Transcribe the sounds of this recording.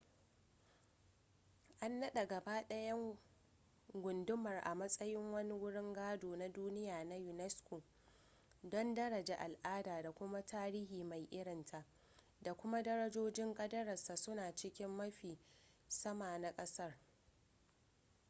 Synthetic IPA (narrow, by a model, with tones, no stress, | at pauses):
ʔa˦nːɐ˦ɗa˨ɡɐ˨baː˦ɗɐ˦jɐ˦ŋ | ɡʷʊ˨ndʊ˦mɐ˨rʔa̰˨mɐ˦sʼɐ˦jɪ˦ŋwɐ˦ni˦wʊ˦ɽɪ˦ŋɡaː˦doː˨na˦duː˦nɪ˦jaː˨na˦jʊ˨nɛ˦skʷoː˨ | dɔ˦ndɐ˦ɽɐ˨d͡ʒaː˨ʔa˨lʔaː˦daː˨da˨kʷʊ˦ma˦tʰaː˦ɾiː˦hiː˨ma˨jʔɪ˦ɽɪ˨ntʰa˨ʔ | da˨kʷʊ˦ma˦dɐ˦ɾɐ˦d͡ʒoː˦d͡ʒɪ˦ŋkʼɐ˦dɐ˦ɾɐ˨sa˨sʊ˦naː˨t͡ʃɪ˦kʲɪ˦mːɐ˦ɸiː˨ | sɐ˦maː˨na˦kʼɐ˦sɐ˦r